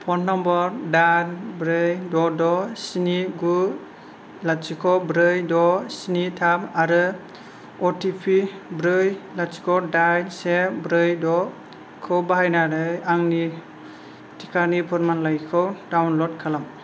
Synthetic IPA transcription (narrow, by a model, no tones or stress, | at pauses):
pʰɔnnɔmbɔɾdaɾbɾɯjdɔdɔsiniɡu | lat̚sikʰɔbɾɯjdɔsinitʰamaɾɯ | ɔtʰipʰibɾɯjlat̚si̥kʰɔdajnsebɾɯjdɔ | kʰɯwbaɦajnaɾɯjaŋni | tʰikʰaɾnipʰɔɾmanlajkʰɯwdawnlɔt̚kʰalam